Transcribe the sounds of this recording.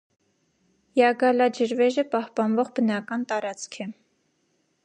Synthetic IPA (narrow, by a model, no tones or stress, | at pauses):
jɑɡɑlɑd͡ʒəɾvɛʒəpɑhpɑnvɔʁbənɑkɑnt̪ɑɾɑt͡skʰɛ